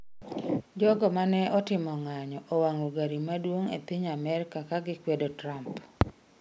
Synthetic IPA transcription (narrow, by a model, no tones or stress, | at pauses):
d͡ʒɔɡɔmanɛɔtɪmɔŋaɲɔʔowaŋoɡaɾimadwoŋḛpɪɲamɛɾɪkakaɡɪkwedotɾamp